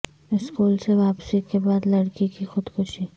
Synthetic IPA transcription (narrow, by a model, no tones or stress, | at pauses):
ɪskuːlseʋaːpsikebaːd̪lɐɽkikixʊd̪xʊʃi